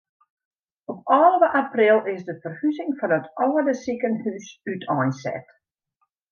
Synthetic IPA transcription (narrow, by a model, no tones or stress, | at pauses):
ɔp̚ɔːlˠʋəʔaprɪlˠɪsdəfərhyzɪŋfɔnətʰʔɔwədəsikənhysytʰɔjnsɛ̰t